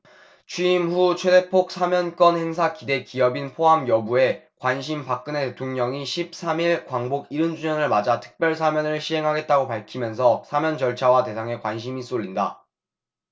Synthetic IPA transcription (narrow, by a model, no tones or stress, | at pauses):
t͡ɕʰiimɸut͡ɕʰwe̞de̞pʰok̚sʰamjʌnk͈wʌnhe̞ŋs̬ʰakide̞kiʌbinpʰoɦamjʌbue̞kwanɕʰimpak̚k͈ɯnete̞tʰoŋɲʌŋiɕʰip̚s͈ʰamiɭkwaŋboɡiɾɯnd͡ʑuɲʌnɯɭmad͡ʑatʰɯ̥k̚p͈jʌɭs̬ʰamjʌnɯɭɕʰiɦe̞ŋɦaɡe̞t̚t͈aɡopaɭkʰimjʌns̬ʰʌsʰamjʌnd͡ʑʌɭt͡ɕʰawate̞sʰaŋe̞kwanɕ̬ʰimis͈oʎːinda